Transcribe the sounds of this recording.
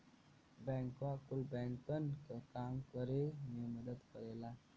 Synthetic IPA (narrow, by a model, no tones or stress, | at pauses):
bɛ̃ːŋkʋakʊlbɛ̃ːŋkpənkakaːmkəɾemẽməd̪əd̪kəɾeːlaː